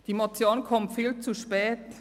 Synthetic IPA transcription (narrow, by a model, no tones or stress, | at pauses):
d̥iːmot͡sjoːnkʰɔmtfiːlt͡suʃpɛːt